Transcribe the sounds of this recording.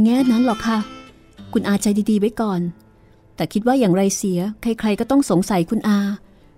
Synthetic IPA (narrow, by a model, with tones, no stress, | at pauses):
ŋɛː˥˩na˦˥nlɔ˨˩kʰːa˥˩ | kʰu˧nʔaː˧t͡ɕʰa˧jdiː˧diː˧wa˦˥jkɔː˨˩n | t̪ɛː˨˩kʰi˦˥t̪̚waː˥˩jaː˨˩ŋɾa˧jsi˩˦ɐkʰa˧˥˩jkʰɾa˧jkɔː˥˩t̪ɔ˥˩ŋso˨˩˦ŋsa˨˩˦jkʰu˧nʔaː˧